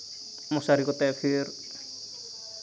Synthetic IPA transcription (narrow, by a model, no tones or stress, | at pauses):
mɔsaɾikɔt̪akʰiɾ